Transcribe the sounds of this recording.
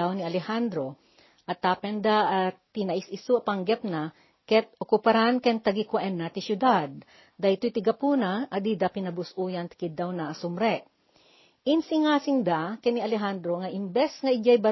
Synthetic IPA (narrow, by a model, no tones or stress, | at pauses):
awniɐlɛhand̪ɾo | ʔɐt̪ːapɛnd̪aʔːt̪ːɪnɐʔɪsɪsuapaŋɡɛp̚na | kɛt̪̚okʊpɐɾankɛnt̪ɐɡikwaʔɛnːat̪isjʊd̪ad̪̚ | d̪ajt̪ojt̪ɪɡɐpuːnaʔɐd̪id̪apɪnɐbʊsʔuːjɐnt̪ɪ̥kɪd̪ːawnaʔːsʊmɾɛʔ | ʔɪnsɪŋaːsɪŋd̪akɐjniɐlɛɦand̪ɾoŋaʔɪmbɛsŋɐʔɪɡajbɐ